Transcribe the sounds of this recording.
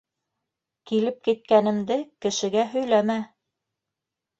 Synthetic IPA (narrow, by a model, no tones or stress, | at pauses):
kilɘp̚kit̪̚kænɘ̆md̪ɘkɘ̆ʃɘ̆ɡæɦɵ̆jlæmæ